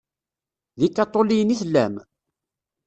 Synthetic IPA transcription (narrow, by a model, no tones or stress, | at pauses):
ðikːɑt̪ˤːolijəniθəlːæ̰m